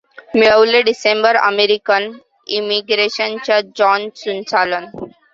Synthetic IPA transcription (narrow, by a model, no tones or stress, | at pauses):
miəwleɖisẽmbəɾə̰meɾikən | imiɡɾeɕənt͡ɕjad͡ʑɔnsunt͡salən